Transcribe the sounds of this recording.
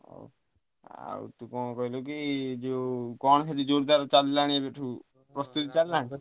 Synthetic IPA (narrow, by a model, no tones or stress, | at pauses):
o̰ | a̰t̪ũkɔkɔɦilokid͡ʒekɔñɔsʰaʈid͡ʒoɽd̪aɾt͡ʃallañiebeʈʰu | pɾɔst̪ut̪it͡ʃalːañi